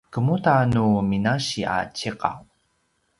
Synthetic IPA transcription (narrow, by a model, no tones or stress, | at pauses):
kəmutanuminaɕia̰t͡ɕiqa̰w